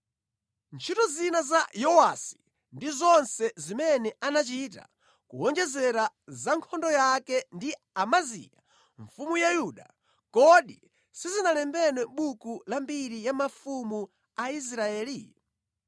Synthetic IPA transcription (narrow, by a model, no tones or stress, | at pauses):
nt͡ʃʰitɔzinazajɔwasi̥ | ndizɔnsɛzimɛnɛanat͡ʃita̰ | kṵwɔnd͡ʒɛzɛɾazaŋkʰɔndɔjakɛndi | amazḭːja̰ | ɱfumujajuɗa̰ | kɔɗi | sizinalɛmbɛnwɛɓukulambiɾijamafumu | ais̬ɾaɛːli